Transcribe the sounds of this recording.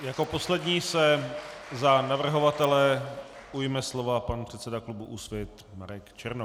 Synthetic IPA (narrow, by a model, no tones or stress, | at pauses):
jako̞po̞slɛdɲiːsɛ | zanavr̩ɦo̞vat̪ɛlɛ | ujmɛslo̞vapanpr̝̥ɛt̪sɛdaklubuʔusvjɛt̪ | maɾɛkt͡ʃɛɾno